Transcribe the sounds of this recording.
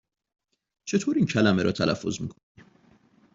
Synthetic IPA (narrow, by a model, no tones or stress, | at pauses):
t͡ʃʰe̞t̪ʰoːɾiːncʰælæmeɾɒ̰ːt̪ʰælʔæ̰fːo̞̰zmḭːkʰonim